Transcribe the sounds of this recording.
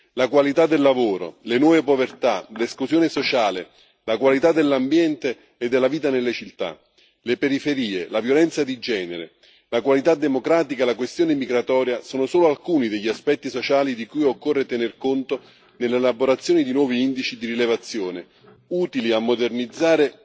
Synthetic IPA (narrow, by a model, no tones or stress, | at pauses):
lakwalit̪ad̪ːelːavoːɾo̰lenwɔːvepovert̪aleskluzjoːnesot͡ʃaːle | lakwalit̪ad̪elːambjɛnt̪eː | d̪ːelːaviːt̪anelːet͡ʃilt̪a̰ | lepeɾifeɾiːelavjolɛnt̪sad̪id͡ʒɛːneɾḛ | lakwalit̪ad̪ːemokɾaːt̪ikalakwest̪joːnemiɡɾat̪ɔːɾjasoːnosoːloalkuːnid̪eʎːiaspɛt̪ːisot͡ʃaːlid̪ikujokːorːet̪enerkont̪o | nelelaboɾat̪sːjoːnid̪inwɔːviind̪it͡ʃid̪irilevat̪sːjoːne | uːt̪iliamːod̪ernid̪zːaːɾe